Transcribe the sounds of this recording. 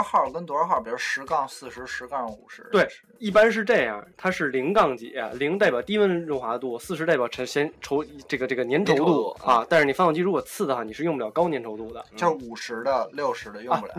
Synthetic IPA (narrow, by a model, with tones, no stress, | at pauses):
xɑ˥˩kə˥nt̪wxɑ˥˩pi˨˩˥ʂɻ̩˧˥kɑ˥˧ŋsɹ̩˥˩ʂɻ̩˧˥ʂɻ̩˧˥kɑ˥˧ŋṵ˨˩ʂɻ̩˧˥t̪we˥˩ɪ | i˥˩pa˥nʂ̬ɻ̩˥˧ʈ͡ʂe˥˧ɪjɑ̰˥˩t̪ʰa˥ʂɻ̩˥˩li˧˥ŋkɑ˥˧ŋt͡ɕḭ˧˩a̰˧˩li˧˥ŋt̪a˥˩ɪpʲjɑ˨˩ʊt̪i˥wə˥nɻʊ˥˩ŋxwa˧˥˧t̪wu˥˩sɹ̩˥˩ʂɻ̩˧˥ta˥˩pjɑ˨˩ʊʈ͡ʂʰŋɕjɛ˧˥nʈ͡ʂʰo˧˥ʊ˧˥ʈ͡ʂɤ˥˩ɡə˩ʈ͡ʂɤ˥˩ɡə˩njɛ˧˥nʈ͡ʂʰo˧˥ʊt̪u˥˩ɐ˧t̪a˥˧nʂɻ̩˥˩ni˩ɑ˥˧ɑ˥˩t͡ɕi˥˧ɻu˧˥kwɔ˨˩t͡sʰɹ̩˥˩d̪ə˩xwa˥˩ni˨˩ʂɻ̩˥˧ʊ˥˧pjɑ˨˩kɑ˥ʊnjɛ˧˥nʈ͡ʂʰo˧˥ʊt̪u˥˩d̪ə̰˩t͡ɕo˥˩u˨˩ʂɻ̩˧˥d̪ə˧ljo˥˩ʊʂɻ̩˧˥d̪ə˧jʊ˥˧pj̰